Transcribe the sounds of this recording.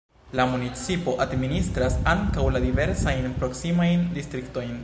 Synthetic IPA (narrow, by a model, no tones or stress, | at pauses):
lamunit͡sipo̞ʔadministɾasaŋkawladive̞ɾsajnpɾo̞ksimajndistɾikto̞jn